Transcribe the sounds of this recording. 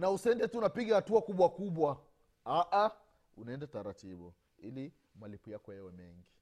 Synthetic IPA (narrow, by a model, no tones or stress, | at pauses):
nausɛndɛtunapiɡahatuakuɓwakuɓwa | aʔa | unaɛndataɾatiɓu | ili | malipujakɔjɛwɛmɛŋɡi